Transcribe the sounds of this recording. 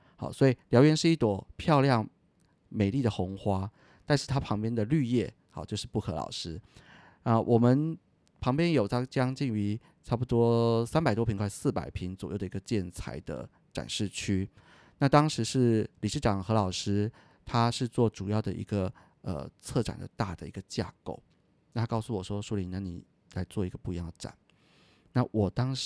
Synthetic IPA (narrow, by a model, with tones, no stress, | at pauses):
xɑ̰˨˩ʊswɔ˧˥i˨˩ljɑ˧˥ʊɥɛ˧˥nʂɻ̩˥˧i˥˩t̪wɔ˨˩pʰjɑ˥˧ʊljɑ˥˩ŋ | me˨˩ɪli˥˩d̪ə˩xʊ˧˥ŋxwa˥ | t̪a˥˧nʂɻ̩˥˩t̪ʰa˥pʰɑ˧˥ŋpjɛ˥nd̪ə˨ly˥˧jɛ˥˩ | xɑ˨˧˦t͡ɕjo˥˧ʊʂɻ̩˥˧pu˥˩kʰɤ˧˥lɑ̰˨˩ʊʂɻ̩˥ | na˥˩wʔɔ˨˩mə˦n | pʰɑ˧˥ŋpjɛ˥njo˨˩ʊt̪ʰa˥t͡ɕjɑ˥ŋt͡ɕi˥˩ŋy˧˥ | ʈ͡ʂʰɑ˥p̬u˧t̪wɔ˥sa˥npa˨˩ɪwɔ˥pʰi˧˥ŋkʰwa˥˧ɪsɹ̩˥˩pa̰˨˩ɪpʰi˧˥ŋt͡swɔ˨˩jo˥˩ʊə˩i˧˥ɡə˧t͡ɕjɛ˥˩nt͡sʰa̰˧˥ɪd̪ə̰˧ | ʈ͡ʂa̰˨˩nʂɻ̩˥˩t͡ɕʰy˥ | na˥˧˩t̪ɑ˥ŋʂɻ̩˧˥ʂɻ̩˥˩li˨˩ʂɻ̩˥˩ʈ͡ʂɑ˨˩ŋxɤ˧˥lɑ˨˩ʊʂɻ̩˥ | t̪ʰa˥ʂɻ̩˥˧t͡swɔ˥˩ʈ͡ʂu˨˩jɑ˥˩ʊd̪ə̰˨˩ʔḭ˧˥ɡə˧ | ə̰˨˩t͡sʰɤ˥˩ʈ͡ʂa̰˨˩nd̪ə̰˦t̪a˥˩d̪ə̰˩ḭ˧˥ɡə˧t͡ɕja̰˥˧ko̰˥˩ʊ | na˥˩t̪ʰa˥kɑ˥ʊsu˥˩wɔ˨˩ʂwɔ˥ʂu˥li˧˥˦na˧˦nḭ˨˩ | la˧˥ɪt͡swɔ˥˩i˧˥ɡə˧pu˥˧˩i˧˦jɑ˥˩ŋd̪ə˩ʈ͡ʂa̰˨˩˦n | na˥˩wʔɔ˨˩t̪ɑ˥ŋ